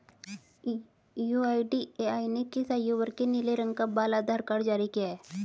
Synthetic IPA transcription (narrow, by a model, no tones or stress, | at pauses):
juaːɪɖieaːɪnekɪsaːjoʋəɾkenɪleɾə̃ŋɡkabaːlad̪ʱaːɾkaːɾd͡ʒaːɾikijaɦɛː